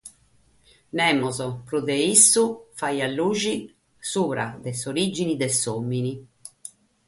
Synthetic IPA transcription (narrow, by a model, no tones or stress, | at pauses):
nɛːmɔzɔpɾuðɛisːufajalːuːʒi | suːɾa̰d̪ɛsoɾid͡ʒinid̪ɛsomːini